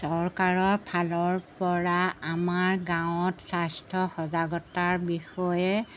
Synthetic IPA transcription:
sɔɹkaɹɔɹpʰalɔɹpɔɹaamaɹɡãw̃ɔtsastʰɔxɔzaɡɔtaɹbixɔjɛ

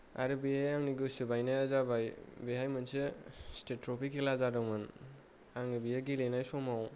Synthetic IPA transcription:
a̰ɾɯbiajaŋniɡɯsɯbajnajazabajbeɦajmɯnsɯstetːɾopʰikʰːilazadɯŋmɯn | aŋnibijaɡilenajsɔmaw

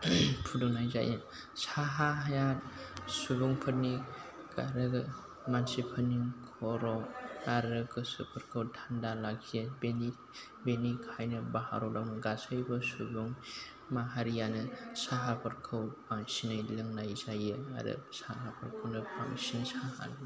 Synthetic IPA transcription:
pʰuduŋnajza̰jɯ | saɦaɦajatsubuŋpʰɐɾni | ka̰ɾɯɡ | mansipʰɐniŋkʰɔɾɔaɾɯkɯsṵpʰɐɾkʰɯwtʰandalakʰijɯbeni | benikʰajnɯbaha̰ɾɔdawnɯɡasajbɐsubuŋ | maɦaɾijanɯsaɦapʰɐɾkʰɯwpaŋsinajlɯŋnajzajɯa̰dɯ̰saɦapʰɐɾkʰɯwnɯpʰa̰ŋsinsaha̰nɯ

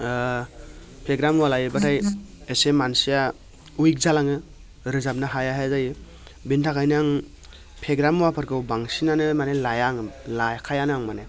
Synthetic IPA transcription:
pʰeɡɾamwalajɯbatʰajesemansija | ujk̚zalaŋɯ | ɾɯzap̚naɦajaɦazaj | bintʰakʰajnaŋ | pʰeɡɾamwapʰɯɾkʰɯwbaŋsinanɯmanelajaŋlajkʰajanɯaŋmane

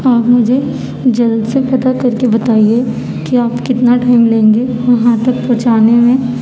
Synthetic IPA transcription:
aːɾmʊd͡ʒʱe | d͡ʒɐld̪sepɐt̪akɐɾkebɐt̪aːie | kiaːpkɪt̪naʈaːɪmlẽːŋɡeʋɐɦãt̪ɐk̚pɾɐt͡ʃaːnemẽ

